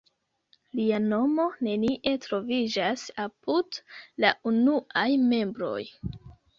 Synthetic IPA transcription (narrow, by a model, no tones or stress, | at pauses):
liano̞mo̞ne̞niʔe̞tɾo̞vid͡ʒasapudlaunuʔajme̞mbɾo̞̰j